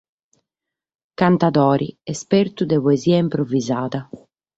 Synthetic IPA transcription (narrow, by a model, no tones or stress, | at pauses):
kant̪aðɔːɾʔḭɛspeɾt̪ud̪ɛpɔɛziːaimpɾovizaːða